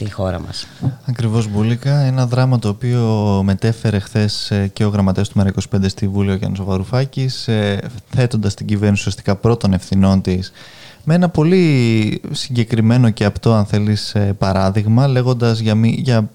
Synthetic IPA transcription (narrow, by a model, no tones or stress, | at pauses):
t̪ixo̞ɾɐ̰mɐ̰sɐkɾivo̞zbulikɐe̞nɐðɾɐmɐt̪o̞ːpio̞me̞t̪e̞fe̞ɾe̞xθe̞sce̞o̞ɣɾɐmɐt̪est̪umeɾɐiko̞si̥pe̞nd̪est̪ivulioʝɐ̰nɐso̞vɐɾufɐcisθe̞t̪o̞nd̪ɐst̪iɟive̞ɾnisuiɐst̪i̥kɐpɾo̞t̪o̞ne̞fθino̞nt̪is | meenɐpo̞li | siɲɟe̞kɾime̞no̞ce̞ɐpt̪o̞ɐnθe̞lisepɐɾɐðiɣmɐle̞ɣo̞nd̪ɐzʝɐmiʝɐ